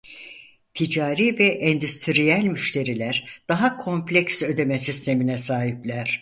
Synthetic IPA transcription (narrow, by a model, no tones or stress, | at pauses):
t̪ʰid͡ʒaːɾiːvɛʔɛnd̪yst̪ʰiɾijælʲmyʃt̪ʰe̞ɾilʲæɾd̪̥aɦakʰo̞mplʲɛksø̞d̪e̞mɛsist̪ʰe̞minɛsaːɦiplʲæɾ̥